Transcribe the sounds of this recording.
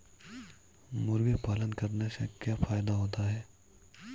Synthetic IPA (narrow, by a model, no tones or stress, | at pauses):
mʊɾɡepaːlə̃nd̪kɐɾnesḛkjaːfaːjd̪aɦoːt̪aɦɛː